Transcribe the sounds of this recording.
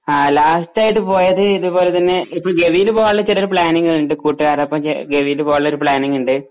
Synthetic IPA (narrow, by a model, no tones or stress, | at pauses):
aːlaːstaːjiʈːɨpo̞ːjɐðɨiðubo̞ːle̞t̪ɐnːe̞ipːoːɭɡe̞ʋijilɨpoːjɐɭːɐt͡ɕːeɾɐɾupɭaːniŋɡɐɭuɳɖɨkuːʈːiɣaːɾɐpːɐm̰ɡe̞ʋijilɨpoːjɐɭːlɐoɾupɭaːniŋɡuɳɖɨ